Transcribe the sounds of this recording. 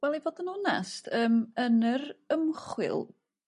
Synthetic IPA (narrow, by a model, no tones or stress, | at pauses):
wɛlˠivoːdənuna̰stʰəːmənərəmχwɪ̰lˠ